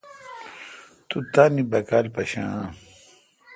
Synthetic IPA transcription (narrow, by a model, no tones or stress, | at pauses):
t̪ut̪anibɐkaːlpɐɕã̰